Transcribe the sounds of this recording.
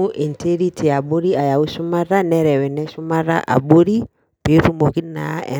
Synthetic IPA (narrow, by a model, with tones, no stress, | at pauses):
u˦ʔi˨ntʰe˦ɾi˦tʰi˨a˨ɓo˦ɾi˦a˨ja˨u˦su˦ma˦ɾa˦nɛ˦ɾɛ˨wɛ˨nɛ˦su˦ma˦ɾa̰˦ʔa̰˨ɓo˦ɾi˦ | pe˨˦ɾu˦mo˨ki˦na̰˨˦ɛ̰˨